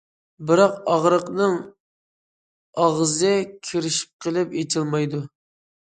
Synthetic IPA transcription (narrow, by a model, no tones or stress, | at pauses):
bɪɾɑqɑʁɾəqnɨŋ | ɑʁzɨkʲʰiɾɪʃi̥p̚qʰəlˠɪpet͡ʃʰilˠmɑjd̪u